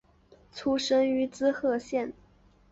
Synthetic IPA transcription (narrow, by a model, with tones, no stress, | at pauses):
t͡sʰu˥ʂɤ˥ŋy˧˥t͡sɹ̩˥xɤ˥˧ɕjɛ˥˩n